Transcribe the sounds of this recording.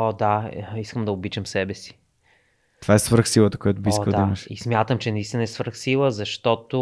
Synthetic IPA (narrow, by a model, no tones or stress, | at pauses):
ɔd̪aiskəmd̪ɐʊbit͡ʃəmsɛbɛsi̥ | t̪ovaɛsvɾxsilˠət̪əkojat̪ʊbiiskdkəd̪aiməʃḭsmʲjat̪əmt͡ʃɛnɐist̪ʲinɐɛsvəɾxsilˠəzɐʃt̪ɔt̪o